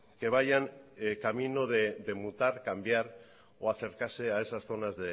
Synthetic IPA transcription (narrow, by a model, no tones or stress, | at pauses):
ke̞β̞ajaŋkamino̞ðeðe̞mut̪aɾkambjaɾ | o̞aθe̞ɾkaɾse̞ae̞sasθo̞nazðe